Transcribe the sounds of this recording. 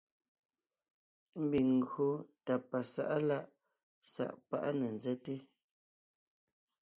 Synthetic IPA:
m̩˦bi˨ŋŋ˨ɡɰo˨˦ta˨pa˨sa̰˦˨ʔla˦ʔ | sa̰˨ʔpa̰˦ʔa˦nə˨n˨zɛ˦te˦

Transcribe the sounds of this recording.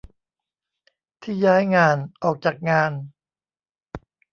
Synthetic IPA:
t̪ʰiː˥˩jaː˦˥jŋaː˧nʔɔː˨˩k̚t͡ɕaː˨˩k̚ŋaː˧n

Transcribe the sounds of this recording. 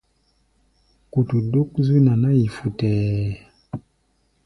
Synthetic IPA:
ku˨tu˨du˦kzi˦na˨na˦ji˨fu˨tɛː˨

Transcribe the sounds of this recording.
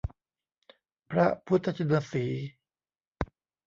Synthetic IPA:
pʰɾa˦˥pʰu˦t̪ʰːa˧t͡ɕʰa˧naː˧siː˩˦

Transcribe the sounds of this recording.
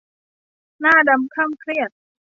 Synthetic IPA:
naː˥˩da˧mkʰa˥˩ŋkʰɾi˥˩ət̪̚

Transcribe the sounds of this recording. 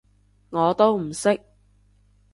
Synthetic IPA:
ŋɔː˨˧t̪o˥wm̩˨˩sɪ˥k̚

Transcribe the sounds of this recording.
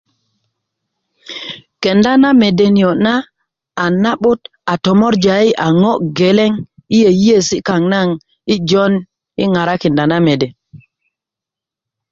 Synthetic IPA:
ke˨nda˦na˦me˨de˨ni˨o˨na˦ | a˨na˦ɓu˦t | a˨to˨mo˦ɾd͡ʒa˨i˦ʔa˨ŋo˦ɡe˨le˦ŋi˦je˨ji˦je˦˨si˦ka˨ŋna˦ŋ | i˦d͡ʒo˦n | ḭ˦ŋa˨ɾa˦ki˨nda˨na˦me˨de˨

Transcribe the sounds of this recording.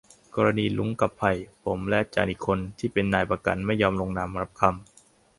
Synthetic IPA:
kɔː˧ɾa˧niː˧lu˨˦ŋka˨˩pʰːa˧˩jpʰo˩˦mlɛ˦˥t͡ɕa̰ː˧nʔiː˨˩kʰːo˧nt̪ʰiː˥˩pe˧nːaː˧˩jpɾa˧ka̰˧nma˥˩jːɔː˧mlo˧ŋnaː˧mɾa˦˥p̚kʰa˧m

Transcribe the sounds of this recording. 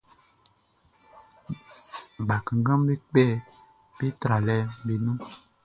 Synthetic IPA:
ba˨kə˨ŋ˦ɡa˦mbi˦k͡pɛ˦˨ | b̥i˦tɾa˨lɛ˦bi˨nu˦

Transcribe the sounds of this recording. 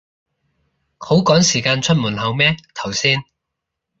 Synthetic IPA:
kʰo˨˥wkɔː˨˥ŋsiː˨˩kaː˧nt͡ʃʰɵ˥t̚muː˨˩nɦɐ˨˧wmɛː˥t̪ʰɐ˨˩wsiː˥n

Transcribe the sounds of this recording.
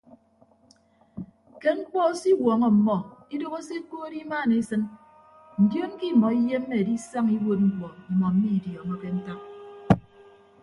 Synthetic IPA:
ke˦ŋ͡m̩˦k͡pɔ˦si˦wɔː˨ŋɔ˨m̩˨mɔ˨i˦do˦ɣo˦se˦koː˦ɾi˦maː˦˨ne˨˦sɨ˦n | n̩˨djo˦ŋ˦ki˦˨mɔ˨i˦je˦m̩˦me˦e˨di˦sa˦ŋi˦wo˦t̚ŋ͡m̩˦kɔ˨i˨mɔ˨m̩˦mi˦˨djɔː˨ŋɔ˦ke˦n̩˦ta˦k̚

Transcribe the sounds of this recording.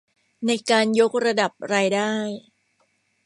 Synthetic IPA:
na˧jkaː˧njo˦˥k̚ɾa˧da˨˩p̚ɾaː˧jdaː˥˩j

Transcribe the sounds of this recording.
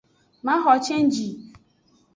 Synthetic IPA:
mã˦ɦɔ˨t͡ʃʰɛ˦n̩˦d͡ʒi˨

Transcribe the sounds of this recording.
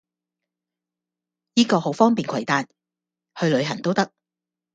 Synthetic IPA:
jiː˥kɔː˧ho˨˥wfɔː˥ŋpiː˨nkʷʰɐ˨˩jt̪aː˨˧t̚ | hɵ˧ɥlɵ˨˧ɥɦɐ˨˩t̪o˥wt̪ɐ˥k̚

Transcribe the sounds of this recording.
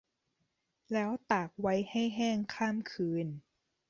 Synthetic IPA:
lɛː˦˥wt̪aː˨˩k̚wa˦˥jha˥˩jɦɛː˥˩ŋkʰaː˥˩mkʰɯː˧n

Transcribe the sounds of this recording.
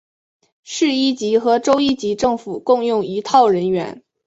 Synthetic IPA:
ʂɻ̩˥˧i˥˩t͡ɕi˧˥xɤ˧˥ʈ͡ʂo˥ʊi˥t͡ɕi˧˥ʈ͡ʂɤ˥˩ŋfu˨˩kʊ˥˧ŋjʊ˥˩ŋi˧˥t̪ʰɑ˥˩ʊɻə˧˥nɥɛ̰˧˥n

